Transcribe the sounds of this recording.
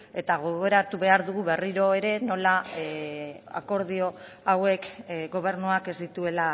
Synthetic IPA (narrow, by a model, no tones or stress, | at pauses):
e̞t̪aɣ̞o̞ɣo̞ɾat̪uβe̞aɾðuɣuβe̞riɾo̞e̞ɾe̞no̞la | a̰ko̞ɾðio̞ | awe̞kɡo̞β̞e̞ɾnuake̞zd̪it̪ue̞la